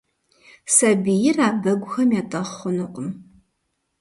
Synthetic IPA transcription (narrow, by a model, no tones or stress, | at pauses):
sɐbijɪraːbɐɡʷʊxɐmjaːtʼɐχʷʊnɨqʷʼʊm